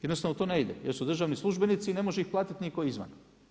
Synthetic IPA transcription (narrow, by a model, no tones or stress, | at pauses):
jed̪nost̪aʋnot̪o̞ːne̞id̪ḛjeɾsud̪r̩ʒaʋnislˠuʒbenit̪sine̞moʒeixplˠaːt̪it̪nikojizʋa̰n